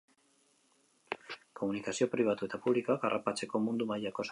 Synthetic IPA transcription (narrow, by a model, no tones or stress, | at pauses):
ko̞munikasio̞pɾiβ̞at̪ue̞t̪apuβlikoakarʔapat͡se̞ko̞mund̪umajako̞s